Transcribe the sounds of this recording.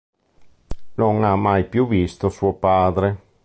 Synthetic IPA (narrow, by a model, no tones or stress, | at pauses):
noŋamːajpjuvist̪osuopaːd̪ɾe